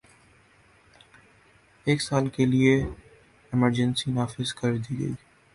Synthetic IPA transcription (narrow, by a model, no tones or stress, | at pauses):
eːksaːlkelie | ɪməɾd͡ʒə̃nsinaːfɪzkɐɾd̪iːɡə̰iː